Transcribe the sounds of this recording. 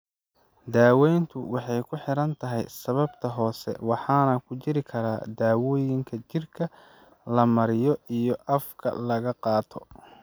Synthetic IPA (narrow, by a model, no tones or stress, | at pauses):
d̪aːwɛjnt̪ʰʊwɑħɑjkʰʊħɪɾɐnt̪ʰɐɦɛ̰jsɐβɐbt̪ʰɐɦɔːsɛ̰wɑħɑːnɐkʰʊt͡ʃɪɾɪkʰɐɾaːd̪aːwɔːjɪŋkʰɐt͡ʃɪrkʰɐ | lɐmɐɾɪjɔijɔʔɐfkʰɐ̰lɐɣɐqɑːt̪ʰɔ